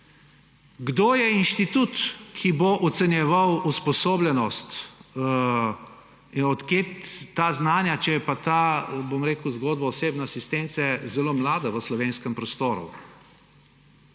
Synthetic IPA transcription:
ɡd̪oːjɛinʃt̪it̪ut̪kʰiboʔɔt̪sɛnjɛʋawuspɔsoːblʲɛnɔst̪ | ɔt̪kjeaːznaːnjat͡ʃɛjɛpat̪abomɾeːkuwzɡoːd̪̚baɔseːbnaasist̪ent̪sɛzɛloːmlaːd̪aʋəslɔʋeːnskəmpɾɔst̪oːɾṵ

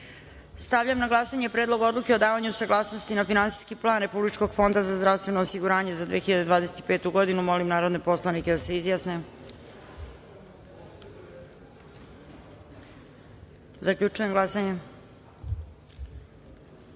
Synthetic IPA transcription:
st̪aʋʎamnaɡlˠasaɲe̞pɾeːd̪lˠo̞ɡo̞d̪luke̞o̞d̪aːʋaɲusaɡlˠaːsno̞st̪inafinansi̥ːskiplˠaːnɾepublit͡ʃkoɡ̥fo̞nd̪azazd̪ɾaʋst̪ʋe̞noːsiɡuɾaːɲe̞zad̪ʋeːxiʎad̪ed̪vʋaːd̪e̞se̥t̪i̥pe̞ːt̪uɡo̞d̪inumo̞limnaːɾo̞d̪nepo̞slˠaniked̪aseizjaːsne | zakʎut͡ʃuje̞mɡlˠasaɲe

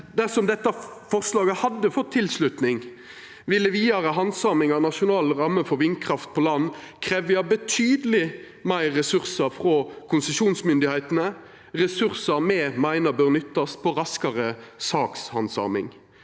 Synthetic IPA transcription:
d̪æʁsɔmd̪ɛt̪ːɑfɔʁslɑːɡəhɑd̪ːəfɔt̪ʰːɪlslʉt̪nɪŋ | ʋɪlːəʋiːɑɾəɦɑnsɑːʁmɪŋɑʁnɑʃʊnɑːlʁɑmːəfɔɾʋɪnkʰʁɑft̪̚pʰɔlɑnːkʰʁeːʋjɑbət̪ʰyːd̪əlɪ | mæɪʁɛsʉʁsɑfʁɔkʰʊnsəʃuːnsmʏnd̪ɪhæɪt̪ənə | ʁɛsʉʁsəmɛmæɪnəbœʁnʏt̪ːɑspʰɔʁɑskɑʁəsɑːkshɑnsɑ̰ːmɪ̰ŋ

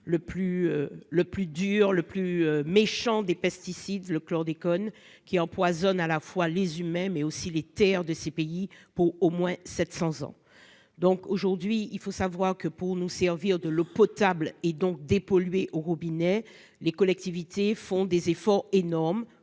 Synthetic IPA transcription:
ləplyøləplyd̪yʁləplyømeʃɑ̃d̪epɛst̪isid̪ləklɔʁd̪ekɔn | kʲiɑ̃pwazɔnalafwalezymɛ̃mɛosilet̪ɛʁd̪əsepeipuʁomwɛ̃sɛt̪sɑ̃zɑ̰̃ | d̪ɔ̃koʒuʁd̪ɥiilfosavwaʁkəpuʁnusɛʁviʁd̪əlopɔt̪abled̪ɔ̃k̚d̪epɔlɥeʔoʁubinɛ | lekɔlɛk̚t̪ivit̪efɔ̃d̪ezefɔʁenɔʁm

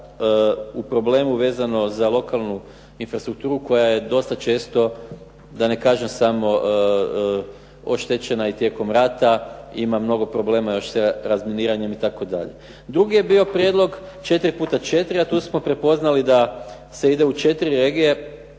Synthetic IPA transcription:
upɾo̞ble̞ːmuʋe̞ːzano̞zalˠo̞kalˠnu | infɾast̪ɾuk̚t̪uːɾuko̞jaje̞d̪o̞st̪at͡ʃe̞ːst̪o̞ | d̪ane̞kaːʒe̞msamo̞ | oʃt̪et͡ɕe̞nait̪je̞ko̞mɾaːt̪aimamno̞ɡo̞pɾo̞ble̞ːmajo̞ʃseɾazmeniːɾaɲe̞mit̪ako̞d̪a̰ʎḛ | d̪ɾuɡije̞bio̞pɾʲje̞d̪lo̞ɡt͡ʃe̞t̪ɾipuːt̪at͡ʃe̞t̪ɾiat̪uːsmo̞pɾe̞po̞znalid̪a | se̞id̪e̞ut͡ʃe̞t̪iɾiɾe̞ːɡije̞

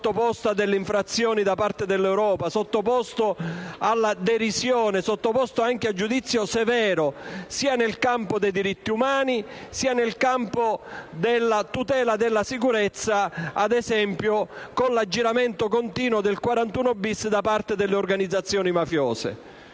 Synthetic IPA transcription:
t̪ːopɔst̪ad̪elːeiɱfɾat̪sːjɔːnid̪apaɾt̪ed̪elːɛwɾɔːpasot̪ːopɔst̪oalːad̪eɾisjɔːnesot̪ːopɔst̪oaŋk̟ead͡ʒud̪it̪sːjosevɛːɾʊsiːanelkampod̪ejd̪iɾit̪ːiumaːni | siːanelkampod̪elːat̪ut̪ɛːlad̪elːasikuɾɛt̪sːaad̪ɛsɛmpjokonlad͡ʒːiɾament̪okont̪iːnwod̪elkwaɾant̪uːnobːisd̪apart̪ed̪elːeorɡanid̪zːat̪sːjɔːnimafjɔːsḛ

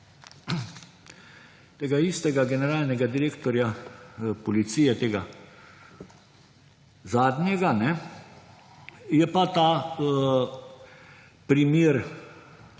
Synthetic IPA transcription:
t̪eːɡaist̪ɛɡaɡɛnɛɾaːlnɛɡad̪iɾeːkt̪ɔɾja | pɔlit̪siːjɛt̪eːɡa | zaːd̪njɛɡanɛ | jɛpat̪aː | pɾimiːɾ

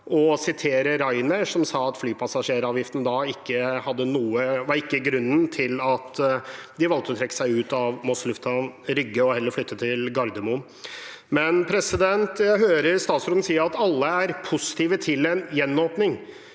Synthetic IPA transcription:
ʔɔsɪt̪ʰeːɾəɾɑɪnəʂɔmsɑːɑt̪flyːpʰɑsɑʂeːɾɑːʋjɪft̪n̩d̪ɑɪkːəhɑd̪ːənuːəʋɑɾɪkːəɡɾʉnːənt̪ʰɪlɑt̪d̪ɪʋɑlkt̪ɔt̪ʰɾɛkːə̥sæɪʉːt̪ɑʋmɔslʉft̪ʰɑnɾʏɡːəɔhɛlːəɾflʏt̪ːət̪ʰɪlɡɑɾd̪əmʊ | mɛnpʰɾɛsɪd̪ɛnt̪jæɪɦøːɾəɾst̪ɑːt̪sɾɔːd̪n̩siːəɾɑt̪ɑlːəæɾpʰʊsɪ̥t̪ʰiːʋət̪ʰɪlɛnjɛnːoːpnɪŋ

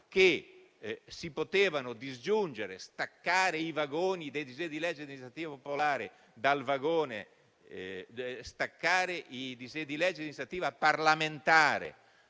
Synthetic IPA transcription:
k̟e | sipot̪eːvanʊd̪izd͡ʒund͡ʒeɾḛst̪akːaːɾeivaɡoːnid̪ejd̪ized̪ilɛd͡ʒːed̪inist̪at̪iːvapopolaːɾe | d̪alvaɡoːnḛ | st̪akːaːɾeʔid̪ized̪ilɛd͡ʒːed̪inist̪ɾat̪iːvaparlament̪aːɾḛ

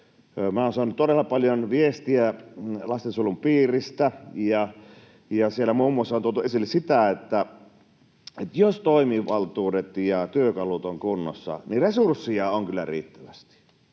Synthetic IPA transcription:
mæˑoːnsɑˑnːut̪t̪odelːɑpɑljonʋiest̪iælɑst̪ensulumpiːrist̪æjɑ | jɑsielːæmuːmːˑuosːɑontuolt̪uʔesilːesit̪æet̪ːæ | et̪jost̪oˑimiʋɑlt̪uːdet̪jɑt̪yøkɑlut̪oŋkunːo̰sːɑ̰niresursːiɑoŋkylːæ̰rḭːt̪ːæʋæst̪i̥

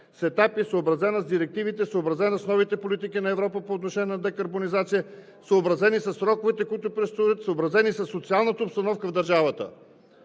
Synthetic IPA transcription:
sɛt̪apisoːbɾɐzɛnɐzd̪iɾɛk̚t̪ivit̪ɛsoobɾɐzɛnɐsnɔvit̪ɛpolit̪ikinɐɛvɾɔpəpoːt̪noʃɛnijɛnɐd̪ɛkɐɾbonizat̪sijə | soːbɾɐzɛnisɐsːɾɔkovɛt̪ɛkoit̪ʊpɾɛst̪oət̪soːbɾɐzɛnisɐsːot̪sialˠnət̪əopst̪ɐnɔfkəvd̪ɐɾʒavət̪ə̰

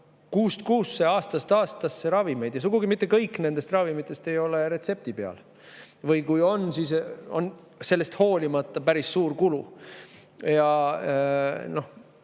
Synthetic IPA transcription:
kuːst̪kuːsːeɑːst̪ɑst̪ɑːst̪ɑsːeɾɑvime̞jd̪jɑsuɡ̥uɡimit̪ˑːe̞kɤjkːˑne̞nd̪e̞st̪rɑvimit̪ːˑe̞st̪e̞jo̞le̞ɾe̞t̪se̞p̚t̪ipe̞ɑ̰l | vɤjkujo̞nsiso̞n | se̞lːe̞st̪ho̞ːlʲimɑt̪ˑːɑpæɾisːuːrkulu | jɑ | no̞h

